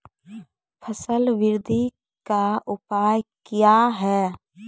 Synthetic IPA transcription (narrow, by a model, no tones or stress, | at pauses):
pʰəsəlʋɪɾd̪ʱi | kaʊpaːjkjaɦɛː